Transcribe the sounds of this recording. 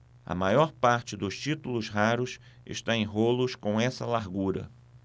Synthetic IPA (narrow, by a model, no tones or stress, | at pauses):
ɐ̰majɔɾpaɾt͡ʃɪd̪ʊst͡ʃit̪ulʊsɦaɾʊsɪ̰ʃt̪aẽj̃ɦolʊskõw̃ɛsɐlaɾɡuɾɐ̰